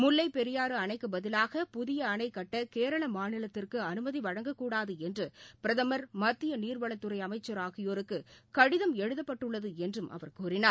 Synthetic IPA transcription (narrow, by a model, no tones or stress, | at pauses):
mʊlːɐɪpɛɾɪjaːɾɯɐnɐɪkːɯbɐðɪlaːɣɐpʊðɪjɐːnɐɪkːɐʈːɐkeːɾɐɭɐmaːnɪlɐt̪ːɪrkɯɐnɯmɐðiʋɐɻɐŋɡɐkːuːɽaːðɯɛndrɯpɪɾɐðɐmɐɾmɐt̪ːɪjɐniːɾʋɐɭɐt̪ːɯɾɐɪɐmɐɪt͡ʃːɐɾaːɣɪjoːɾɯkːɯkɐɽɪðɐmɛɻɯðɐpːɐʈːɯɭːɐðɯɛndrɯmʔɐ̰ʋɐɾkuːɾɪnaː